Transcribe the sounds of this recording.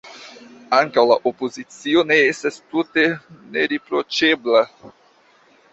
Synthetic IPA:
aŋkawlaʔo̞po̞zit͡sio̞ne̞estastute̞ne̞ɾipɾo̞t͡ʃe̞bla

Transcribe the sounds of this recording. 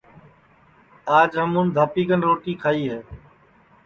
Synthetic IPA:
aːd͡ʒɦəmũːnd̪ʱaːpiːkənɾoːʈiːkʰaːiːɦeː

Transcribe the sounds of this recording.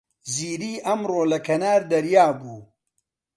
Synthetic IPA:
ziːɾiːʔɐmroːlɐkʰɐnaːɾd̪ɐɾjaːbuː

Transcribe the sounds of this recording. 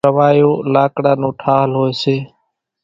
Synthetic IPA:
əʋaːjoːlaːkɽaːnũːʈʰaːɦlɦoːeːseː

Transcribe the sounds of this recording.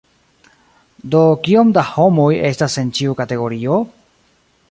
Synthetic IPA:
do̞kio̞mdaho̞moje̞stase̞nt͡ʃiukate̞ɡo̞ɾio̞

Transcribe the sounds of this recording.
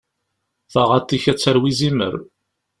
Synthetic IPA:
θəʁat̪ːiçæt͡sːəɾwizimə̰ɾ

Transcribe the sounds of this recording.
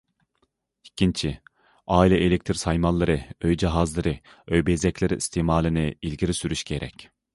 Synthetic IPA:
i̥cʲʰint͡ʃʰi | aːilʲɛʔelʲek̚ʲt̪ʰiɾsajmanlˠaɾɯøjd͡ʒiɦazlˠaɾɯ | øjbezɛcʲlʲeɾiist̪ʰimaːlʲˠinɪilʲɡʲiɾisyɾyʃɡʲeɾɛ̰cʲ

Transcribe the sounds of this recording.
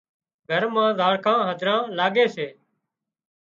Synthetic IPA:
ɡʱəɾmãːzaːɽkʰãːɦəd͡ʒ̪ʱɾãːlaːɠeːseː

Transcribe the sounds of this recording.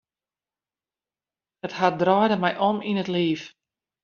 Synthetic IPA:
əthat̚drɔjdəmɛjʔɔminətliːf

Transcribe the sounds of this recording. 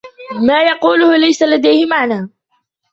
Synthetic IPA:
maːjɑquːlʊhʊlajsalad̪ajhɪmaʕnaː

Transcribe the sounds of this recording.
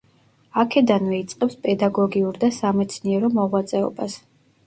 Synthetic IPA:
akʰɛd̪anvɛit̪sʼqʼɛpspʼɛd̪aɡɔɡiuɾd̪asamɛt̪sʰniɛɾɔmɔʁwat̪sʼɛɔ̰bas

